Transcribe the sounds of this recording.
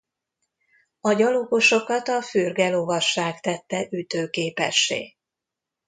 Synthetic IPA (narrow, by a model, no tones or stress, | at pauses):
ɒɟɒlokoʃo̞kɒt̪ɒfyrɡɛloːvɒʃːaːkt̪ɛt̪ːɛʔyt̪øːkeːpɛ̰ʃːḛː